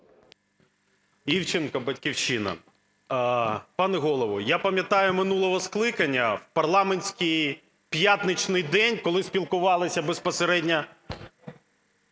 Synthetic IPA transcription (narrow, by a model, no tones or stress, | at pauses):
iwt͡ʃɪnkɐbɐtʲkʲiwt͡ʃɪnɐ̰ | pɑnɛɦɔlˠɔʋʊjapɐmʲjɐt̪ɑjʊmɪnulˠɔɦɔsklˠɪkɐnʲːɐwpɐrlˠɑmenʲsʲkɪj | pjat̪nɪt͡ʃnɪjd̪ɛnʲkɔlˠɪsʲpʲilˠkʊʋɑlˠɪsʲɐbespɔseɾɛdʲnʲɐ